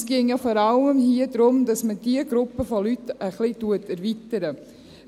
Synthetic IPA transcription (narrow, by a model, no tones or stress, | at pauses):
sɡ̥ɪŋjɑfɔːɾɑləmhiədɾʊmdɑsməd̥iəɡɾʊpːəfɔlytəχlituətɛɾvitəɾə